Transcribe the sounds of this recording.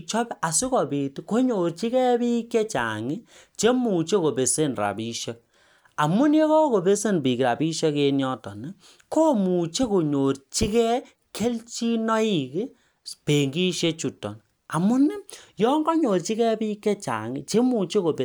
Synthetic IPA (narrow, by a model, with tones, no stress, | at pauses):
t͡ʃɔ˦pa˨su˦kɔ˨pi˨ti˦ko˦ɲo˨ɾt͡ʃi˦kɛ˦pi˦ke˦t͡ʃa̰˨ŋi˦ | t͡ʃe˦mu˨t͡ʃe˦ko˨pe˨se˦nra̰˨pi˦ʃɔ˦k̚ | a˨mu˦nje˦kɔ˦ko˨pe˦se˦npi˨ki˨ɾa˨pi˦ʃɔ˦ke˦njɔ˦tɔ˨ni˨ | ko˦mu˨t͡ʃe˦ko˨ɲo˨ɾt͡ʃi˦kɛ˦ | kʰe˦lt͡ʃi˦nɔ˦i˦˨ki˦ | pe˨ŋɡi˦ʃe˦t͡ʃu˨tːɔ̰˨n | a˨mu˦nɛ˦jɔ˦ŋɡɔ˦ɲo˨ɾt͡ʃi˦kɛ˦pi˦kːe˦t͡ʃa̰˨ŋi˦t͡ʃe˦mu˨t͡ʃe˦ko˨pe˨